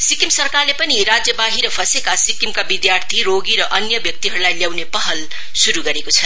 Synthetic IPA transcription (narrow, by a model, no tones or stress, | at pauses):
sikimsʌrkarlepʌniɾad͡zjʌbaɦiɾʌpʰʌsekasikimkabid̪jart̪ʰiɾoɡiɾʌʔʌnjʌbjʌk̚t̪iɦʌɾulajljawnepʌɦʌl | suɾuɡʌɾekot͡sʰʌ